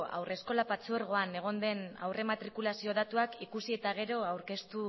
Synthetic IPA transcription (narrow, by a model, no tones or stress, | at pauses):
a̰wrʔe̞sko̞lapat͡sueɾɣ̞o̞ane̞ɣ̞o̞nd̪e̞na̰wre̞mat̪ɾikulasio̞ð̞at̪uakikusie̞t̪aɣ̞e̞ɾo̞awɾke̞st̪u